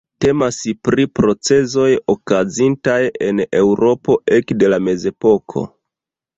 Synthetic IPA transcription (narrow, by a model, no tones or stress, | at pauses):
te̞masipɾipɾo̞t͡se̞zo̞jokazintaje̞ne̞wɾo̞po̞ʔe̞kde̞lame̞ze̞po̞kʰo̞̰